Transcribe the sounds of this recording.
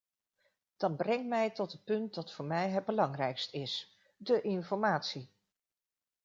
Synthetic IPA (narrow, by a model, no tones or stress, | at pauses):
d̥ɑnbrɛŋmɛjtɔtət̚pɵnt̚dɑtfʊːɹmɛjɦəd̚bəlɑŋrɛjkstɪs | dəʔɪnfɔɹmaːtsi